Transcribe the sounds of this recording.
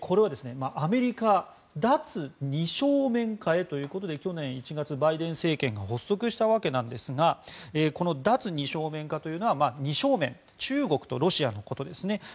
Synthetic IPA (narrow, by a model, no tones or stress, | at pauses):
kʰo̞ɾe̞β̞ad̪e̞sɨne̞maʔame̞ɾʲika | d̪at͡sɨɲ̟iɕo̞ːmẽ̞ŋkae̞t̪o̞jɯ̟ːko̞t̪o̞d̪e̞kʲo̞nẽ̞ɰ̃it͡ɕiɡat͡sɨbaid̪ẽ̞ɰ̃se̞ːkẽ̞ŋɡaho̞sːo̞kɯ̟ɕi̥t̪aβ̞ake̞nãnd̪e̞sɨɡaeːko̞no̞d̪at͡sɨɲ̟iɕo̞ːmẽ̞ŋkat̪o̞jɯ̟ːno̞β̞amaːɲ̟iɕo̞ːmẽ̞ŋ | t͡ɕɨːɡo̞kɯ̟̥t̪o̞̰ɾo̞ɕiano̞ko̞t̪o̞d̪e̞sɨne̞